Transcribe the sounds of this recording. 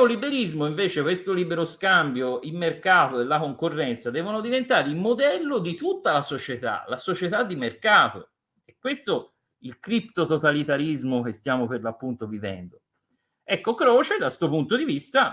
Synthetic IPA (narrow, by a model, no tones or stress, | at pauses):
olibeɾizmoiɱveːt͡ʃekwest̪olibeɾoskambjoimːerkaːt̪oelːakoŋkorːɛnt̪sad̪ɛːvonod̪ivent̪aːɾeilmod̪ɛlːod̪it̪ut̪ːalasot͡ʃet̪a̰lasot͡ʃet̪ad̪ːimerkaːt̪o | ekːwest̪o | ilkɾipt̪ot̪ot̪alit̪aɾizmok̟est̪jaːmoperlapːunt̪ovivɛ̰nd̪o | ɛkːokɾɔːt͡ʃed̪ast̪uopunt̪od̪ivist̪a